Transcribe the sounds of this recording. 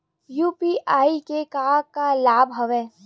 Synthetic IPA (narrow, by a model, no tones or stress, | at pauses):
juːpiʔaːikekaːkalaːbʱɦɐʋɛ̃ː